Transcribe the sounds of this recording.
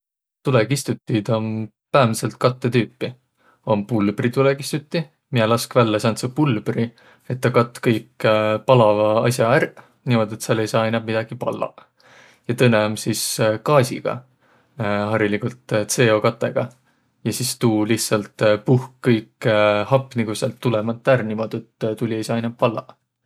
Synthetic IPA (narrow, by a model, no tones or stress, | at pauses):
t̪ulekist̪ut̪ʲːˑid̪o̞m | pæːmse̞lt̪̚kɑt̪ːe̞t̪yːpːi | o̞mpulb̥rit̪ulekist̪ut̪ʲˑːi | mielɑskvælːɑsɑnt̪sepulb̥ri | e̞t̪̚ːɑkɑt̪ːˑkɤjkpɑlɑvɑɑ̰sʲjɑærʔ | nimo̞d̪̥e̞t̪sɑlːejsɑːɑjnɑb̥̚mid̥̪ɑɡ̥ipɑ̰lːɑ̰ | jɑt̪ɤnːeomsiskɑːsʲḭɡ̥ɑ̰ | ɦɑɾilikult̪se̞ːo̞kɑt̪ːˑe̞̰ɡ̥ɑ | jɑsist̪uːliht̪sɑlt̪puhkːɤjkhɑpːˑniɡusɑ̰lt̪ːulemɑt̪ːærnimo̞d̪̥et̪ːt̪ulʲie̞jsɑːɑjnɑp̚pɑlːɑ̰